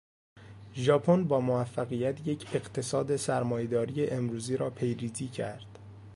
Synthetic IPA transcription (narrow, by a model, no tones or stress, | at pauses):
ʒɒːpʰonbɒːmovæfːæɣijæt̪ʰje̞cʰe̞ɢt̪ʰe̞sɒːd̪esæɾmɒːjed̪ɒːɾije̞ʔemɾuːziːɾɒːpʰe̞jɾiːziːcʰæ̰ɾd̪̥